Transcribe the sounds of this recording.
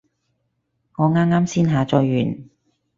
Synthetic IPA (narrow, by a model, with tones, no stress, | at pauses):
ŋɔː˨˧ŋaː˥mŋaː˥msiː˥nɦaː˨˧t͡sɔː˧jɥyː˨˩n